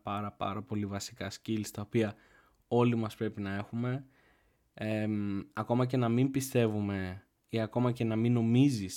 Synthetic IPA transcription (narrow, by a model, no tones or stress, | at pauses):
pɐɾɐpɐ̰ɾɐpo̞livɐsi̥kɐscilst̪ɐopiɐ | o̞limɐspɾe̞pinɐe̞xume̞ | emɐko̞mɐc̬e̞nɐmimpist̪e̞vume̞ | iɐko̞mɐce̞nɐmino̞mizis